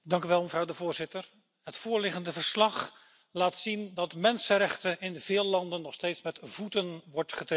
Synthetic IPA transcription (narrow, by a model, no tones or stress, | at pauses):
dɑŋkyʋɛlˠməvrɑwdəvʊːɹzɪtəɹ | ɦətfʊːɹlɪχəndəvəɹslɑχ | laːtsindɑtmɛnsəɾɛχtəɪnvɪːlˠlɑndənːɔχstejtsmɛtvutənʋɔɹtχətr